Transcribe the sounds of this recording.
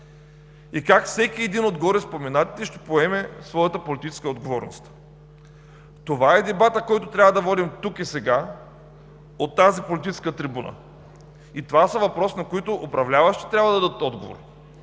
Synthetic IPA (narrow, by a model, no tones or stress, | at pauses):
ikakfsɛkiɛd̪inod̪ɡɔɾɛspomɛnat̪i̥t̪ɛʃt̪ɛ̥poɛmɛsvɔjɐt̪əpolʲit̪it͡ʃɛ̥skəod̪ɡovɔɾno̰st̪ | t̪ovaɛd̪ɛbat̪əkɔjt̪ot̪ɾʲavvɐd̪ɐvɔd̪imt̪ukisɛɡa | ot̪ːazipolit̪it͡ʃɛ̥skət̪ɾibunə̰ | it̪ovasɐvɐpɾɔsnɐkoit̪oʔopɾɐvlʲavɐʃt̪i̥t̪ɾʲabvɐd̪ɐd̪ət̪ɔd̪ɡovo̰ɾ